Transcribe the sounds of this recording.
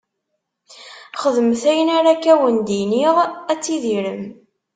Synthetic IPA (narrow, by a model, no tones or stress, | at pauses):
χəðəmθæjənaɾakːæwənd̪iniʁæt͡sːiðiɾəm